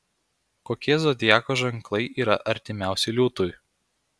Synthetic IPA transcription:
koːkʲiɛzod̪ʲjæːkoʒɐŋˑklˠɐɪʔiːɾɐ̰ʔɐɾʲt̪ʲɪmʲæˑʊsʲɛlʲuːt̪ʊj

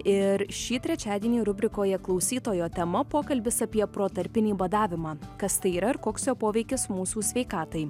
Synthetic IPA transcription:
ɪɾʃʲiːt̪ʲɾʲɛt͡ʃʲæːd̪ʲiɛnʲiːɾʊbʲɾʲɪkoːjɛklˠɒʊsʲiːt̪oːjoːt̪ʲɛmɐpoːkɐlʲbʲɪsɐpʲiɛpɾoːt̪ɐɾʲpʲɪnʲiːʋɐd̪ɑːʋʲɪmɑːkɐst̪ɐɪiːɾɐɪɾkoːksʲjoːpoːʋʲɛɪkʲɪsmuːsuːsʲʋʲɛɪkɑːt̪ɐɪ

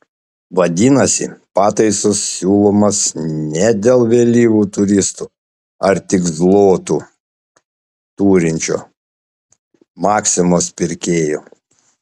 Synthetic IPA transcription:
ʋɐd̪ʲiːnɐsʲɪ̰pɑːt̪ɐɪsʊsːʲuːlˠoːmɐsnʲɛd̪ʲeːlˠʋʲeːlʲiːʋʲuːt̪ʊɾʲɪst̪uː | ɐɾt̪ʲɪɡzlˠoːt̪uː | t̪uːɾʲɪnʲt͡ʃʲo̰ː | mɑːksʲɪmoːspʲɪɾʲkʲeːjoː

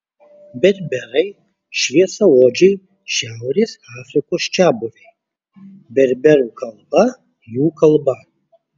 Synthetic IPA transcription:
bʲɛɾʲbʲɛɾɐɪ | ʃʲʋʲiɛsɐoːd͡ʒʲɛɪ | ʃʲæʊɾʲeːsaːfʲɾʲɪkoːst͡ʃʲæːbʊʋʲɛɪ | bʲɛɾʲbʲɛɾuːkɐlˠbɐ | juːkɐlˠbɐ

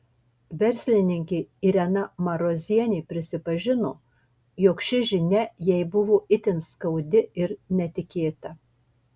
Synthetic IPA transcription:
ʋʲɛɾʲsʲlʲɪnʲɪŋʲkʲɛɪɪɾʲɛnɐmɐɾoːzʲiɛnʲeɪpʲɾʲɪsʲɪpɐʒʲɪnoː | joːkʃʲɪʒʲɪnʲɛjɛɪbʊʋoːɪt̪ʲɪnskɐʊd̪ʲɪɪɾnʲɛt̪ʲɪkʲeːt̪ɐ

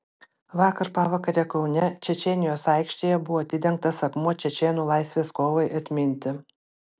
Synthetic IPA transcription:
ʋɑːkɐɾpɑːʋɑkɐɾʲɛkɒʊnʲɛt͡ʃʲɛt͡ʃʲɛnʲɪjoːsɑɪkʃʲt̪ʲeːjɛbʊʋoːɐt̪ʲɪd̪ʲɛŋk̚t̪ɐsɐkmuɔt͡ʃʲɛt͡ʃʲɛːnuːlˠɑˑɪsʲʋʲeːskoːʋɐɪʔɐt̪ʲmʲɪnʲt̪ʲɪ

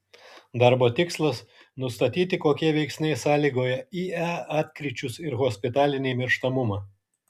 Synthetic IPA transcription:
d̪ɑɾboːt̪ʲɪkslˠɐs | nʊst̪ɐt̪ʲiːt̪ʲɪkoːkʲiɛʋʲɛɪksʲnʲɛɪsɑːlʲiːɡoːjɛiːɛɑːt̪ʲkɾʲɪt͡ʃʲʊsɪɾɣɔsʲpʲɪt̪ɑːlʲɪnʲɪːmʲɪɾʃt̪ɐmʊmɑː

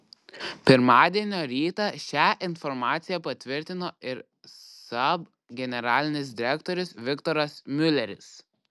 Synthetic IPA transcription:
pʲɪɾmɑːd̪ʲiɛnʲoːɾʲiːt̪ɐʃʲæːʔɪnfɔɾmɑːt̪sʲɪjɛpɐt̪ʲʋʲɪɾʲt̪ʲɪnoːɪɾ | sɐb | ɡʲɛnʲɛɾɑːlʲɪnʲɪs̬d̪ʲɪɾʲɛkt̪ɔːɾʲʊsʋʲɪkt̪ɔɾɐsmʲʊlʲɛɾʲɪs

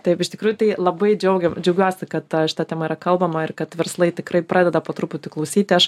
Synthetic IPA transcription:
t̪ɐɪpɪʃt̪ʲɪkɾuːjʊt̪ɐɪlˠɐbɐɪd͡ʒʲɛʊɡʲɛmd͡ʒʲɛʊɡʲuɔsʲɪkɐt̪ʃʲɪt̪ɐːt̪ʲɛmɐiːɾɐkɐlˠbɐmɐɪrkɐt̪ʋʲɛɾslˠɐɪt̪ʲɪkrɐɪpɾɑːd̪ʲɛd̪ɐpoːt̪ɾuːpʊt̪ʲɪklˠɐʊsʲiːt̪ʲɪɐʃ

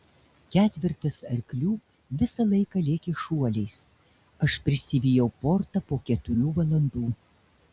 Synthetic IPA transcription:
kʲæːt̪ʲʋʲɪɾʲt̪ɐsɐɾʲkʲlʲuː | ʋʲɪsɐlˠɐɪkɐlʲeːkʲeʃuɔlʲɛɪs | ɐʃpʲɾʲɪsʲɪʋʲijɛʊpoɾt̪ɐpoːkʲɛt̪ʊɾʲuːʋɐlˠɐnd̪uː

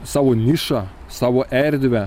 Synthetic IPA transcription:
sɑːʋonʲɪʃɑ | sɑːʋoːʔɛɾʲd̪ʲʋʲɛ

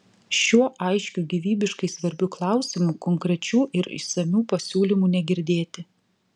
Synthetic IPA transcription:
ʃʲuɔʔɐɪʃʲkʲuːɡʲiʋʲiːbʲɪʃkɐɪsʋɐɾʲbʲʊklˠɑˑʊsʲɪmuːkɔŋkɾʲɛt͡ʃʲuːʔɪɾɪ̰ʃsɐmʲuːpɐsʲuːlʲɪmuːnʲɛɡʲɪɾʲd̪ʲeːt̪ʲɪ

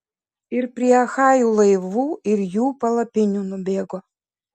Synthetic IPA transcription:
ɪɾpʲɾʲiɛɐxɑːjuːlˠɐɪʋuːɪɾjuːpɐlˠɐpʲɪnʲuːnʊbʲeːɡo

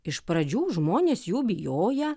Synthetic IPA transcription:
ɪʃpɾɐd͡ʒʲuːʒmoːnʲeːsjuːbʲɪjoːjɛ

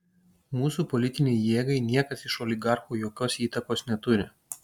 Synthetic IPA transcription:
muːsuːpɔlʲɪt̪ʲɪnʲɛɪjeːɡɐɪnʲiɛkɐsɪʃɔlʲɪɡɑˑɾxuːjoːkʲoːsiːt̪ɐkoːsnʲɛt̪ʊɾʲɪ

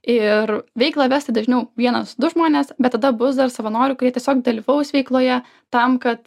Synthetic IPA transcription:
ɪɾʋʲɛɪklˠɑːʋʲæːsʲt̪ʲɪd̪ɐʒʲnʲɛʊʋʲiɛnɐsd̪ʊʒmoːnʲeːsbʲɛt̪t̪ːɐd̪ɐbʊsd̪ɐrsɐʋɐnoːɾʲʊkʊɾʲiɛtʲɛsʲoːkd̪ɐlʲiːʋɐʊsʋʲɛɪklˠoːjɛ | t̪ɐmkɐt̪

